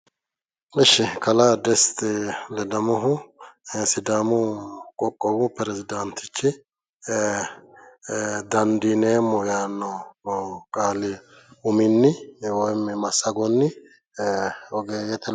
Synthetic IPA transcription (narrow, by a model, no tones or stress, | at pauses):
ɪʃːɪkʰɐlad̪ɛst̪ɛlɛd̪ɐmɔɦʊ | sɪd̪amʊkʼɔkʼːɔwʊpɛɾɛzɪd̪ɐnt̪ɪt͡ʃːɪ | d̪ɐnd̪ineːmːɔjaːnːɔ | kʼaːlɪ | ʊmɪnːɪwɔmːɛmɐsːɐɡɔnːɪ | ɔɡeːjɛt̪ɛ